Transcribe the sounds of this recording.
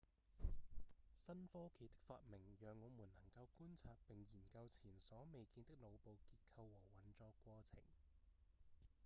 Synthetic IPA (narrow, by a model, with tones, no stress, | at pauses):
sɐ˥nfɔː˥kʰe˨˩jt̪ɪ˥k̚fa̰ː˧t̚mɪ˨˩ŋjœː˨ŋːɔː˨˧muː˨˩nnɐ˨˩ŋkɐ˧wkuː˥nt͡sʰaː˧t̚pɪ˨ŋjiː˨˩nkɐ˧wt͡sʰiː˨˩nsɔː˨˥me˨jkiː˧nt̪ɪ˥k̚lo˨˧wpo˨˧wkiː˧t̚kʰɐ˧wːɔː˨˩wɐ˨˩nt͡sɔː˧kʷwɔː˧t͡sʰɪ̰˨˩ŋ